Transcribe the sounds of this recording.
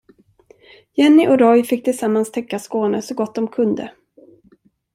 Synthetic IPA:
jɛnːɪʔɔɾɔjfɪkːt̪ʰɪlsamːanst̪ʰɛkːaskoːnəsɔɡɔt̪̚ːd̪ɔmkʰɵnd̪ə̰

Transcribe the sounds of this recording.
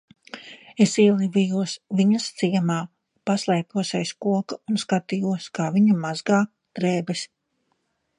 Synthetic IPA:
esiɛlˠivijuɔsviɲɐst̪siɛmaː | paslˠɛːpuɔsɛjskuɔkaunskat̪iːjuɔskaːviɲɐmazɡaː | d̪̥ɾeːbɛs

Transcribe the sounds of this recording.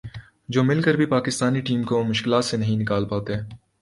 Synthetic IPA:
d͡ʒoːmɪlkəɾbʱipaːkɪst̪aːniʈiːmkomʊʃkɪlaːt̪senɐɦĩnɪkaːlpaːt̪eɦɛː

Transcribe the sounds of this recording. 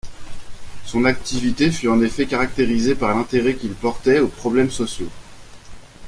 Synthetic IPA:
sɔ̃nak̚t̪ivit̪efyɑ̃nefɛkaʁak̚t̪eʁizepaʁlɛ̃t̪eʁɛkʲilpɔʁt̪ɛopχɔblɛmsɔsjo

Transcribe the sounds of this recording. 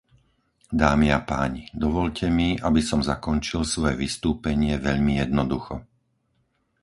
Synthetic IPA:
d̪aːmiapaːɲid̪ɔʋɔʎcʰɛmiabisɔmzakɔnt͡ʃilsʋɔjɛʋist̪uːpɛɲɪɛʋɛʎmijɛd̪nɔd̪uxɔ̰

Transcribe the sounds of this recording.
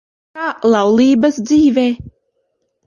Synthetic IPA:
aːlˠawlˠiːbɐsd̪ziːveː

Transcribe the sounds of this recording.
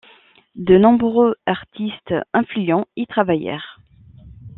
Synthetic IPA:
d̪ənɔ̃bʁøaʁt̪ist̪ɛ̃flyɑ̃it̪χavajɛ̰ːʁ

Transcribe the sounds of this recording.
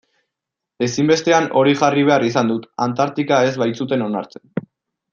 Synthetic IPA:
e̞simbe̞st̪e̞ano̞ɾiʝariβ̞e̞arisand̪ut̪ant̪aɾt̪ikae̞zβajt͡sut̪e̞no̞naɾt͡sen

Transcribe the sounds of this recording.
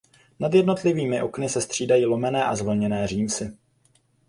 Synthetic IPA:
nad̪jɛdno̞t̪lɪviːmɪʔo̞knɪsɛst̪r̝̥iːdajiːlo̞mɛnɛːʔazvl̩ɲɛnɛːriːmsɪ

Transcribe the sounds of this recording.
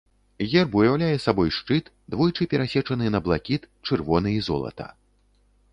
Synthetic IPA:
ɣʲɛrbujawlʲajɛsabɔjʂt͡ʂɨt̪ | d̪vɔjt͡ʂɨpʲɛɾasʲɛt͡ʂɐnɨnɐblˠakʲit̪ | t͡ʂɨrvɔnɨizɔ̰lˠɐ̰t̪ɐ̰

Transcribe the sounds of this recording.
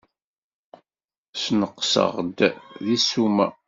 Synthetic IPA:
snəqːsə̰ʁd̪ðisumæ̰

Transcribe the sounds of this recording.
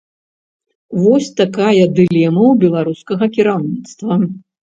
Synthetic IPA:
vɔsʲt̪akajɐd̪ɨlʲɛmɐwbʲɛlˠaɾuskɐɣɐkʲiɾawnʲit̪st̪vɐ

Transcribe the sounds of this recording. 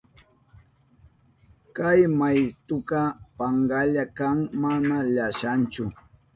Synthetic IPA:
kajmajt̪ʊkɑpaŋɢaʎakaŋmanaʎaʃant͡ʃʊ

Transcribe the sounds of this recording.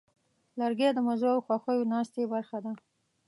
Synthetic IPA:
laɾɡed̪əmazoawxwaxəjonɑst̪ebaɾxad̪a

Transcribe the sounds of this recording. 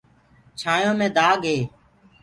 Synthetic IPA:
t͡ʃʰaːjõːmẽːd̪aːɡɦeː

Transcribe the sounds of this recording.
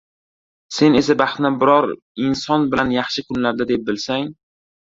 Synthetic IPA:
se̞ne̞sabɑχt̪nɪbɪɾɒɾ | ɪnsɒnbɪlanjɑχʃɪkʰʊnlaɾd̪ad̪ep̚bɪlsaŋ

